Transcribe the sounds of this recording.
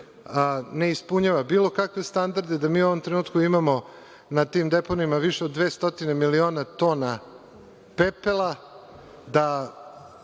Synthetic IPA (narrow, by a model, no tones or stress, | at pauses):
ne̞ispuɲaʋabiːlˠo̞kakʋe̞st̪and̪aɾd̪ed̪amiːuo̞ʋomt̪ɾe̞nuːt̪kuimamo̞ | nat̪iːmd̪e̞ponimaʋiʃeod̪ːʋeːst̪o̞t̪ine̞milio̞ːnat̪o̞ːna | pepelˠa | d̪a